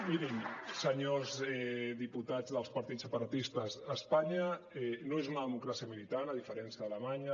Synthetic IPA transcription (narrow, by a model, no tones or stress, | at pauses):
miɾimsəɲozɛðiput̪ad͡zðəlˠspɐɾt̪isəpaɾat̪ist̪əzəspaɲəɛnoezunəðəmukɾasiəmilit̪anaðifəɾɛnsiaðələmaɲə